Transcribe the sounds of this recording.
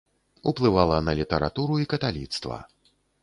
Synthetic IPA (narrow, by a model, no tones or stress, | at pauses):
uplˠɨvalˠɐnɐlʲit̪ɐɾa̰t̪uɾuikɐt̪alʲḭt̪st̪vɐ̰